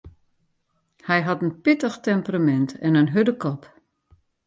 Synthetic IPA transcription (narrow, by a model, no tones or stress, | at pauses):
hɛjɦɑtənpitəxtɛmpramɛntɛnənɦødəkʰɔp